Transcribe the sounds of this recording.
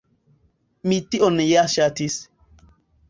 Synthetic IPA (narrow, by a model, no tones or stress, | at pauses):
mit̪iʔonejaʃatis